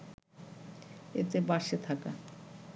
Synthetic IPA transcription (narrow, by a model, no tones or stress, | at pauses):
ḛt̪ebaʃet̪ʰaka